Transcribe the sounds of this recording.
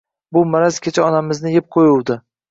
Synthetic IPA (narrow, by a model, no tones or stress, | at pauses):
bʊmaɾaskʲʰet͡ʃʰaɒnamɪznɪjɪp̚qʰojʊwd̪ɪ